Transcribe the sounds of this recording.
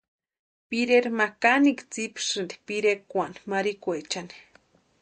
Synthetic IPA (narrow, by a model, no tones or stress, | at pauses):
piɾeɾmakanikt͡sipʂɨnd̪i̥piɾekːʷanmaɾikʷet͡ʃani̥